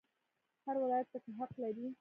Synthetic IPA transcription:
haɾwɪlɑjat̪̚ːakaɦaqlaɾi

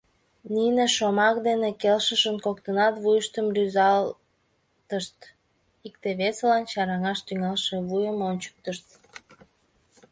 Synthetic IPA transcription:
nineʃomɑkd̪enekelʃəʃənkokt̪ənɑt̪βujəʃt̪əmryzɑl | t̪əʃt̪ | ik̚t̪eβeselɑnt͡ɕɑɾɑŋɑʃt̪yŋɑlʃeβujəmonʲt͡ɕə̥k̚t̪əʃt̪

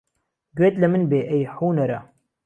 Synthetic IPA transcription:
ɡweːt̪lɐmɨnbeːʔejħuːnɐɾɐ

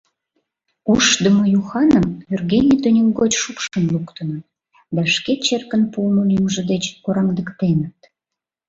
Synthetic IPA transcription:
uʃd̪əmojuxɑnəmyrɣenʲit̪ønʲəŋɡot͡ɕʃupʃənlukt̪ənə̆t̪ | d̪ɑʃket͡ɕerkənpumulimʒə̆d̪et͡ɕkoɾɑŋd̪əkt̪enət̪̚

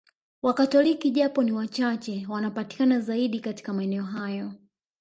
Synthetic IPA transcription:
wakatɔlikiʄapɔniwat͡ʃat͡ʃɛwanapati̥kanazaiɗikati̥kamaɛnɛɔɦajɔ

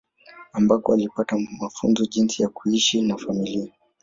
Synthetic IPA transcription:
ambakɔalipatamafunzɔʄinsijakuiʃinafamilia

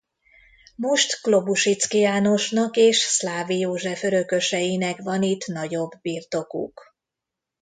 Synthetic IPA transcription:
moʃt̪klo̞buʃit̪skijaːno̞ʃnɒkeːʃslaːvijoːʒɛføɾøkø̞ʃɛjinɛkvɒnit̪nɒɟo̞bːirt̪o̞kṵk

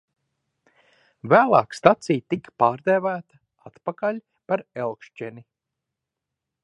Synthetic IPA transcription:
væːlˠɑːkst̪at̪sijt̪ikpaːɾd̪ɛːvæːt̪ḁ | at̪pakaʎʲ | paɾɛlˠkʃt͡ʃɛnʲi

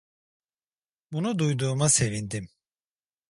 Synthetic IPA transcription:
bunud̪ujd̪uːmase̞vind̪im

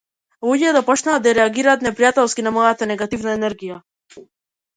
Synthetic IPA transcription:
lˠuɟɛɛd̪apɔt͡ʃnaːd̪aɾɛaɡiɾaːt̪nɛpɾijat̪ɛlˠskinamɔjat̪anɛɡat̪ivnaɛnɛɾɡija

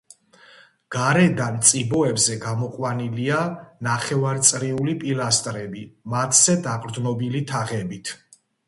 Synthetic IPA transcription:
ɡ̥aɾɛd̪ant̪sʼibɔɛbzɛɡamɔqʼwanilianaχɛvaɾt̪sʼɾiulipʼilast̪ʼɾɛbimat̪ʰz̥ɛd̪aqʼɾd̪nɔbilit̪ʰaʁɛbit̪ʰ

